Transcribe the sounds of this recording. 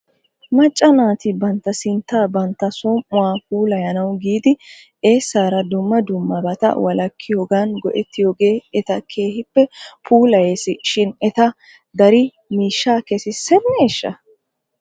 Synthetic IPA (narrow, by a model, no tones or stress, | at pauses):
mɐt͡ʃʼːɐnaːt̪ɪbɐnt̪ːɐsɪnt̪ːaːbɐnt̪ːɐsɔmːʊwaːpuːlɐjɐnɐwɡiːd̪ɪ | ʔe̞ːsːaːɾɐd̪ʊmːɐd̪ʊmːɐbɐt̪ɐ̰wɐlɐkʰːɪjoːɡaːnɡɔʔɛt̪ːɪjoːɡe̞ːɛt̪ɐkʰe̞ːhɪpːɛpuːlɐjeːsɪʃɪnɛt̪ɐ | d̪ɐɾɪ | miːʃːaːkɛsɪsɛnːeːʃːɐ̰